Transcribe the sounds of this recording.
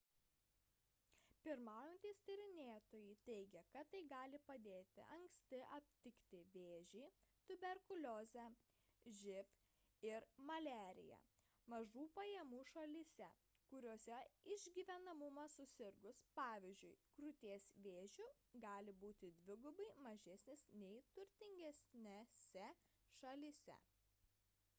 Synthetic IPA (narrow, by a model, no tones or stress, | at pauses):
pʲɪɾmɑːjɛnʲt̪ʲiːst̪ɐɾʲɪnʲeːt̪oːjiːt̪ʲɛɪɡʲɛkɐt̪ːɐɪɡɑːlʲɪpɐd̪ʲeːt̪ʲɪ̰ʔɐŋksʲt̪ʲɪʔɐpʲt̪ʲɪkt̪ʲɪʋʲeːʒʲɛɪt̪ʊbʲɛɾkʊlʲoːzʲɛ | ʒʲɪf | ɪɾmɐlʲæːɾʲɪ̰jɛ̰ | mɐʒuːpɐjɛmuːʃɐlʲisʲɛ | kʊɾʲoːsʲɛɪʒʲɡʲiʋʲɛnɐmʊmɐsʊsʲɪɾɡʊspɑːʋʲɪzʲd͡ʒʲʊɪkɾʊt̪ʲeːsʋʲeːʒʲʊ | ɡɑːlʲɪbuːt̪ʲɪd̪ʲʋʲɪɡʊbɐɪmɐʒʲɛsʲnʲɪsnʲɛɪt̪ʊɾʲt̪ʲɪŋʲɡʲɛsʲnʲɛsʲɛ | ʃɐlʲisʲɛ̰